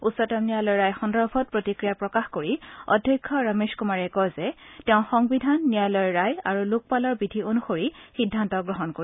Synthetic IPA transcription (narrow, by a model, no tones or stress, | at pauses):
utsɔtamnijalɔjɹajxɔndɔɹbʱɔt̚pɹotikɹijapɹɔkaxkoɹiɔ̰dʱjɔjkʰːɔɹameskumaɹɛkɔjzɛtɛʊ̃xɔŋbidʱanːijalɔjɔɹajaɹuluk̚palɔɹbidʱionuxoɹixidʱːantɔɡɹɔɦɔnkoi